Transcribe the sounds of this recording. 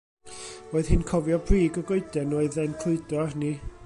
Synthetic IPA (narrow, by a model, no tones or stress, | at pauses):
oːɨð̥hɪnkʰɔvjɔbriːɡɔɡoɨdɛnoːɨðɛnkʰlˠʊɨdɔarni